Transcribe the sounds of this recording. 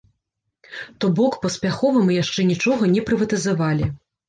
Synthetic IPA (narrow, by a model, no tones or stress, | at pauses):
t̪ɔbɔkpɐspʲaxɔvɐmɨjaʂt͡ʂɛnʲit͡ʂɔɣɐnʲɛpɾɨvɐt̪ɨzavalʲi